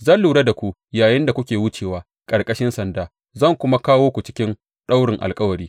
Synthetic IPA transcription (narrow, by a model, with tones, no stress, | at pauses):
zɐ˦nluː˨ɽa˦da˨kʷu˦ʔ | jaː˨jɪ˦nda˨kʷʊ˦kʲeː˨wʊ˦t͡ʃeː˨waː˦ | kʼɐ˨ɾkʼɐ˦ʃɪ˦nsɐ˨ndaː˦ | zɐ˦˨ŋkʷʊ˦ma˦kaː˦woː˦kʷu˨t͡ʃɪ̥˦kʲɪ˦n | ɗa˦wɽɪ˨ŋʔa̰˨lkʼɐ˦wɐ˨ɾiː˦